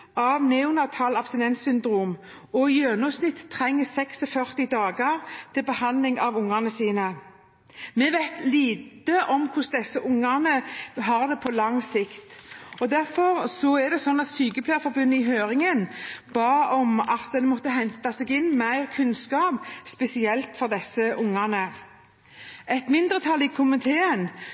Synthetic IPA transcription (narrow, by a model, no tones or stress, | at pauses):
ɑʋnɛʊnɑt̪ʰɑːlɑpst̪ɪnɛnsʏnd̪ɾuːm | ɔjøːnɑsnɪt̪ːt̪ʰːʁɛŋːəsɛksɔfœʁt̪ɪd̪ɑːɡəʁt̪ʰɪlbəhɑnlɪŋɑʋʊŋɑʁnəsiːnə | mɛʋæɪt̪liːt̪əʔɔmkʰʊsd̪ɛsːəʔʊŋːæʁnəɦɑʁd̪ɛpʰɔlɑŋsɪkt̪ɔd̪æɾfɔʁsɔɛd̪ɛsɔnːɑt̪syːkəpʰlæːfɔʁbʉnːəɪɦøːɾɪŋənb̥ɑːɔmɑt̪̚d̪ɛnmɔt̪ːəɦɛnt̪ɑsɛɡɪnːmæɪʁkʰʉnskɑːpspɛsɪɛlt̪fɔʁd̪ɛsəʔʊŋːɑʁnə | ɛt̪mɪnd̪ɾət̪ʰɑlːɪkʰʊmɪt̪ʰeːən